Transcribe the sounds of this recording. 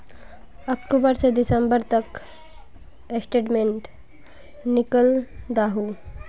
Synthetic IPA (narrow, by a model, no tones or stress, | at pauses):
ɐkʈubəɾsed̪isəmbəɾt̪ək | esʈeʈmeɳʈ | nikəld̪aɦu